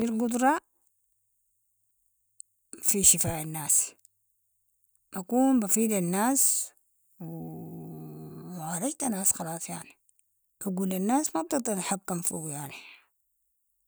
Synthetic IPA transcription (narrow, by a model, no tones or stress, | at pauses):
filɡʊd̪ɾˤɑ | fiʃɪfaːʔanːaːs | ʔakuːnbafiːd̪anːaːs | w | mʕaːɾˤɑd͡ʒt̪anaːsxɑlɑːsˤjaʕni | kaɡuːlanːaːsmab̚t̪ɨd̪ˤɑɾˤħakːamfiwjaʕni